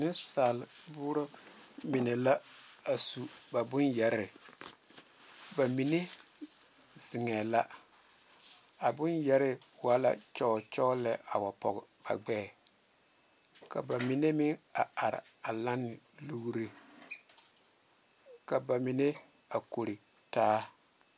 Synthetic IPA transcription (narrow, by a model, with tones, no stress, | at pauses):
nɪ˦sa˨lbʊː˦ɾɔ˦mɪ˨nɛ˨la˦a˨su˨ba˨bʊ˦njɛ˨ɾɪ˨ | ba˨mi˨ne˦ | zɪ˨ŋɛ˨la˦ | a˨bʊ˦njɛ˦ɾɪ˦wa˦la̰˦t͡ʃɔ˦˨t͡ʃɔ˦lɛ˦ʔa̰˨wa˨pɔ̰˨ɡɛ˨b̥a̰˨ɡ͡bɛː˦˨ | ka̰˨ba˨mi˨ne˦mɪ˦ŋa˨a˨ɾɪ̰˨a˨la˦nːɪ˨ | lu˦ɡɾi˦ | ka˨ba˨mɪ˨ne˦ | a˨ko˨ɾi˨ | taː˦